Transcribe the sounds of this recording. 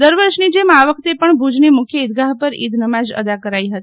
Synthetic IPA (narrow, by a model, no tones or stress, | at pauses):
d̪əɾʋəɾʃnid͡ʒemaʋəkʰt̪epəɳbʱud͡ʒnemʊkʰjəid̪̚ɡaɦpəɾḭd̪nəmad͡ʒə̰d̪akəɾaiɦət̪i̥